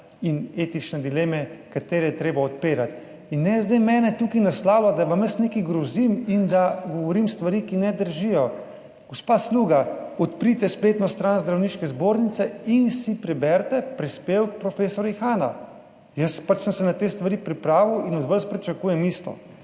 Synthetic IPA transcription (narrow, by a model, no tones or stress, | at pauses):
ineːt̪it͡ʃnɛd̪ileːmɛkat̪eːɾɛjɛt̪ɾeːbaɔt̪peːɾat̪ | inːɛzd̪ɛjmɛːnɛt̪ukinaslaːwlad̪aʋamjəsnekiɡɾɔzimind̪aɡɔʋɔɾimst̪ʋaɾiːkinɛd̪əɾʒijɔ | ɡ̥ɔspaːsluːɡaɔt̪pɾit̪ɛspleːt̪nɔst̪ɾanzd̪ɾawniːʃkɛzboɾnit̪sɛinsipɾɛbɛɾt̪ɛpɾispeːwk̚pɾɔfeːsɔɾjixaːna | jəspat͡ʃsəmsɛnat̪eːst̪ʋaɾiːpɾipɾaːʋiwinɔd̪ʋaspɾit͡ʃakuːjɛmiːst̪ɔ̰